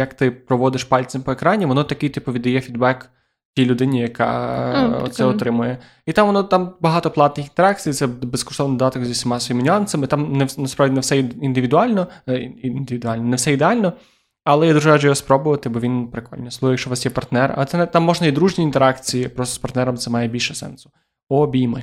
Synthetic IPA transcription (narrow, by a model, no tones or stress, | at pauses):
jɐkt̪ɪpɾɔʋɔd̪ɪʃpɑlʲt͡sʲɐmpɔekɾɑnʲiʋɔnɔt̪ɐkɪjt̪ipʊʋʲid̪ɐjɛfʲid̪bɛk | tʲijlʲʊd̪ɪnʲijɐkɑ̰ɔ̰sɛɔt̪ɾɪmʊjɛ | it̪amʋɔnɔt̪ambɐɦɑt̪ɔplˠɑt̪nɪxint̪eɾɑk̚t͡sʲijt̪sɛbeskɔ̥ʃt̪ɔʋnɪd̪ɔd̪ɑt̪ɔkzʲisʲɐmɑsɔʋʲjimnʲʊɑnsɐmɪt̪amnɛnɐspɾaʋdʲinɛwsɛind̪ɪʋʲid̪ʊɑlʲnɔ | nd̪ɪʋʲid̪ʊalʲnɔnɛwsɛid̪ealʲnɔ | ɐlˠɛjad̪uʒɛɾaʒd͡ʒɛjɔspɾɔbʊʋɐt̪ɪbɔʋʲinpɾɪkɔ̰lʲnʲɛslˠuɣɔjɐkʃt͡ʃɔʋasjɛpɐrt̪nɛrɐ̰t̪ɛnɛt̪amːɔʒnɐid̪ɾuʒnʲiːnt̪eɾɑkt͡sʲijipɾɔst̪ɔspɐrt̪nɛɾɐmt̪sɛmɑjɛbʲilʲʃɛsɛ̰nsʊ̥ | ɔbʲijmɪ